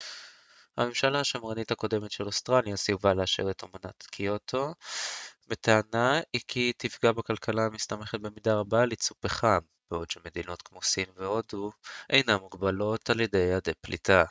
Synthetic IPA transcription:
hame̞mʃalaːʃamʁanithako̞de̞metʃelost̪ʁaljasiuvaleaʃḛʁetomona̰tkʰio̞tʰo̞ | met̪eanaikʰitifɡabekalkʰalamist̪ameχet̪̚be̞midaʁabalet͡supeχam | b̥eo̞dʃeme̞d̪ino̞t̪kmosimveo̞duʔejnamuɡbalo̞taljede̞jadeplḭtʰa

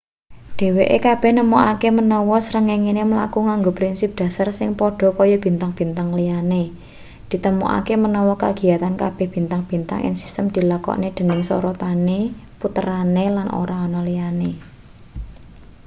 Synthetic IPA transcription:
ɖ̪̥e̤weʔekab̥ɛ̤hnəmuʔakemənɔwɔsəɾəŋeŋineməla̰kuŋaŋɡopɾinsɪp̚d̪̥ä̤sarsɪŋpɔɖ̥ɔ̤kɔjɔb̥i̤nt̪aŋb̥i̤nt̪aŋliane | d̪̥i̤t̪əmṵʔa̰kemənɔwɔka̰ɡ̥i̤at̪ankab̥ɛ̤hb̥i̤nt̪aŋb̥i̤nt̪a̰ŋʔɪ̰nsi̥st̪əmd̪̥i̤lakɔ̰ned̪̥ə̤nɪŋsɔ̰ɾɔt̪aneput̪əɾanelanʔo̰ɾaɔnɔlijane

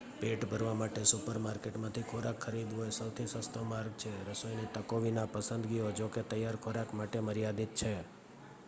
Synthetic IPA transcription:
peʈbʱəɾʋamaʈesupəɾmaɾkeʈmãt̪ʰikʰoɾakʰːəɾib̪oesəwt̪ʰisəst̪ʰomaɾɡ̚t͡ʃʰeɾəsojnit̪əkoʋinapəsə̃nd̪ɡijod͡ʒoket̪əjːaɾkʰoɾakmaʈeməɾijad̪it̪̚t͡ʃʰe

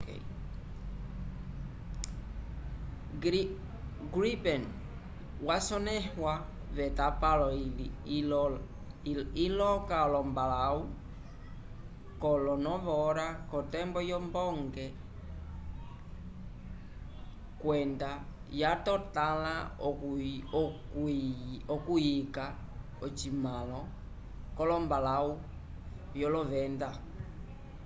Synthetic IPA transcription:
ɡɾipɛn | wasɔnɛhwa | βɛtapalɔ | ilɔkaɔlɔmbalau | kɔlɔnɔβɔɾakɔtɛmbɔjɔmbɔŋɡɛ | kwɛnda | jatɔtala | k | ɔkujika | ɔt͡ʃimalɔ | kɔlɔmbalau | jɔlɔvɛnda

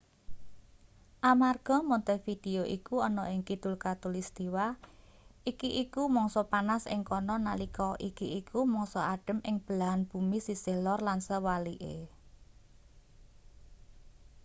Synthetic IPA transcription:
ʔamarɡ̥ɔ̤mɔnt̪efid̪̥eoʔikuɔnɔʔɪŋkid̪̥ʊlkat̪ʊlist̪iwa | ʔikiʔikumɔŋsɔpanasɪ̰ŋkɔnɔnalikɔʔikiʔikumɔŋsɔʔaɖ̥ə̤mʔɪŋb̥əlaɦanb̥ṳmisisehlɔrlansəwaliʔḛ

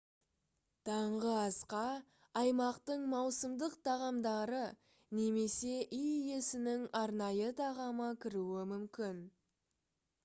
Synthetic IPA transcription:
t̪ʰɑɴʁəɑsqɑ | ɑjmɑqt̪əɴmɑwsəmd̪əqt̪ʰɑʁɑmd̪ɑɾə | ne̞me̞se̞ʔijije̞sɪnɪŋɑɾnɑjət̪ʰɑʁɑməkʲʰɪɾuɪmʏmkʲɪn

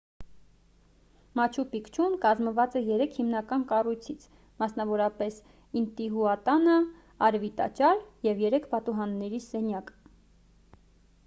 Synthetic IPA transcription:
mɑt͡ʃʰupikt͡ʃʰumkɑzməvɑt͡sɛjɛɾɛkʰhimnɑkɑnkɑrujt͡sʰit͡sʰ | mɑsnɑvɔɾɑpɛs | int̪iɦuɑt̪ɑnə | ɑɾvit̪ɑ̰t͡ʃɑɾjɛvjɛɾɛkʰbɑt̪uɦɑnːɛɾisɛnjɑk

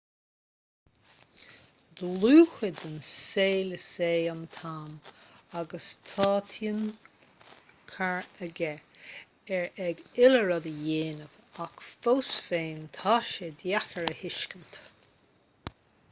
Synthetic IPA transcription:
d̪luːxəd̪ənseːləseːant̪ʰaːmaɡəst̪ʰɑːt̪ʰjən | kʰaɹəɡɛ | ɛɹɛɡɪləɹəd̪əjeːnəvakfowsfeːnt̪ʰaʃəd̪jaxəɹəhɪʃkənt̪

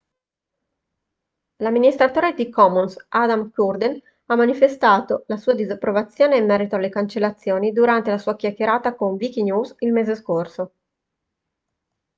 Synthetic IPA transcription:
lamːinist̪ɾat̪oːɾed̪ikɔmunsad̪amkurd̪en | amːanifest̪aːt̪olasuːad̪izapːɾovat̪sːjoːneimːɛːɾit̪oalːekant͡ʃelːat̪sːjoːnid̪uɾant̪elasuːakjakːeɾaːt̪akoɱvik̟injuːzilmeːzeskorso

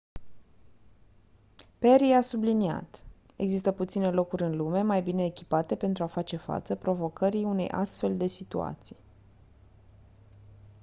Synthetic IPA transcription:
pe̞ɾiasublinia̰t̪ | e̞ɡzist̪əput̪sine̞lo̞kuɾʲɨnlume̞majbine̞ːkʲi̥pat̪e̞pe̞nt̪ɾuafat͡ʃe̞fa̰t̪səpɾo̞vo̞kəɾiune̞jʔa̰st̪fe̞ld̪e̞sit̪ua̰t̪si̥j

